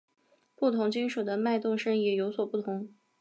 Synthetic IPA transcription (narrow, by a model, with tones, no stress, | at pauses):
pu˥˩t̪ʰʊ˧˥ŋt͡ɕi˥nʂu˨˩d̪ə˦ma˥˧ɪt̪ʊ˥˧ŋʂɤ˥ŋjɛ˨˩jo˧˥ʊswɔ˨˩pu˥˩t̪ʰʊ˧˥ŋ